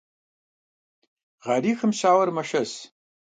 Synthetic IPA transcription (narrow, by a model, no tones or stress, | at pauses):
ʁɑɾiːxɨmɕaːwɐrmɐʃɐs